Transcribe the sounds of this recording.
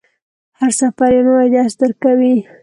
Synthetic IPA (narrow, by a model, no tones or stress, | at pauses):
haɾsafaɾjanowajd̪ɑsd̪əɾkawi